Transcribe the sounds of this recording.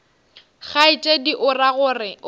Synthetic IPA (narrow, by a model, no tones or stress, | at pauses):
ɣaɪt͡ʃʼediʔʊraɣʊːrɪ